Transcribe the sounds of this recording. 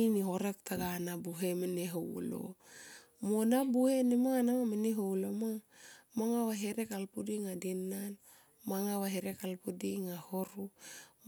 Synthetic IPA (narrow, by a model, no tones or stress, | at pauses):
niɦo̞ɾektaɡanabuɦe̞meneɦow̰lo̰ | monabuhenemaŋanamameneɦowlomamaŋawaɦeɾekalpudiŋadenan | maŋawaɦeɾekalpudiŋahoɾu